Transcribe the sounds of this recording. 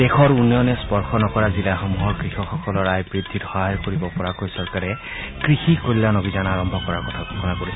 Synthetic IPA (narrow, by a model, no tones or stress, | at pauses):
d̥exʰɔɹunjɔnɛspɔɹxɔnɔkɔɹazilaxɔmuɦɔɹkɹixɔxɔkɔlɔɹajbɹid̪ʱːidhɔɦajkoɹibɔpɔɹakojsɔɹkaɹɛ | kɹixikojlanobizanaɹɔmbʱɔkɔɹaɹkɔtʰaɡʱɔkʰɔnakoɹis